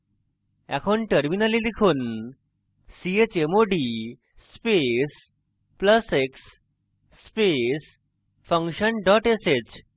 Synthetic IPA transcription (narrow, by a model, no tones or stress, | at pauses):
ɛ̰kʰoɳʈəɾminalid̪ikʰuːn | siet͡ɕemoɖi | spes | pləseksː | pes | fəŋkɕənɖɔʈeset͡ɕ